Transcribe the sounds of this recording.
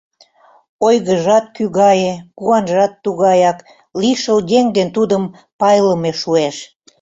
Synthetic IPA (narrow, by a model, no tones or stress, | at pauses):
ojɣəʒɑt̪kyɣɑjekuɑnʒɑt̪ːuɣɑjɑk | liʃəld̪ʲeŋd̪ent̪ud̪əm | pɑjləmeʃueʃ